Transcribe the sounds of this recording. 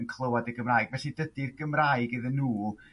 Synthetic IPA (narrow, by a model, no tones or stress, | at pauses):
ənkʰlˠəwadəɡəmraːjɡvɛɬidədirɡəmraːɨɡɪðənːuː